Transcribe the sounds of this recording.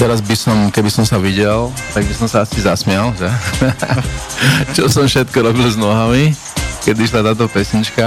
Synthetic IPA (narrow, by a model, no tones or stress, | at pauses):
t̪ɛɾazbisɔmkɛbisɔmsaʋiɟɛlt̪aɡbisɔmsaasizasmɪalʒɛ | t͡ʃɔsɔmfʃɛt̪kɔɾɔbilznɔɦami | kɛd̪iʃ̬lat̪aːt̪̬ɔpɛsɲit͡ʃka